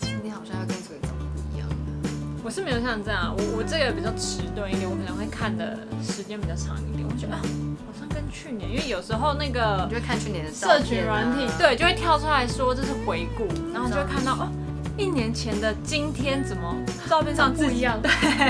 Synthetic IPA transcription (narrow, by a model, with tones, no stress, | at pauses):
t͡ɕʰi˧˥ŋt̪i˥nxɑ˨˩ʊɕjɑ˥˧jɑ˥˩kə˥nt͡sə˥˩˧t͡sə˨˩m˨pu˥ḭ˧˦jɑ̰˥˩ŋ˩wɔ˨˩ʂɻ̩˥˩me˧˥jo˧˩ɕjɑ˥˧˩ʈ͡ʂɤ˥˧jɑ˥˩ə̰˨˩wɔ˨˩wɔ˨˩ʈ͡ʂɤ˥˩ɡə˩jɛ˧˥pi˨˩t͡ɕjɑ˥˩ʊʈ͡ʂʰɻ̩˧˥t̪ʊ˥˩ŋi˥˩ɛ̃˨˩wɔ˧˥kʰə˨˩nə˧˥we˥˧ɪkʰa˥˩nd̪ə̰˩ʂɻ̩˧˥t͡ɕjɛ˥npi˨˩t͡ɕɑ˥˩ʈ͡ʂʰɑ̰˧˥ŋi˥˩t̪j̰wt͡ɕɥxɑ˨˩ʊɕɑ˥˩ŋkə˥nt͡ɕʰy˥˩njɛ˧˦ni˥nwe˥˩jo˨˩ʊʂɻ̩˧˥xo˥˧ʊna˥˩ɡə˩o˧we˥˩kʰa˥˧nt͡ɕʰy˥˩njɛ̃˧˥n˧˥ɤ˥˩t͡ɕʰy˨˩ɻwa˧˥nt̪ʰi˨˩t̪we˥˩ɪt͡ɕo˥˧we˥˩t̪jɑ˥˧ʊu˥la˧˥ɪʂwɔ˥ʈ͡ʂʂi˥˩xwe˧˥ɪku˥˩na˨˦nxo˥˧t͡ɕkʰa˥˧nt̪ɑ˥˩ʊʔ | i˥˩njɛ˧˥nt͡ɕʰjɛ˧˥nd̪ə˨t͡ɕi˥nt̪ʰjɛ˥nt͡sə˨˩nmə˩ʈ͡ʂɑ˥˧ʊpʰjɛ˥˧nʂɑ˥˧ŋt͡s̩˥˩i˧˥jɑ˥˩ŋt̪we˥˩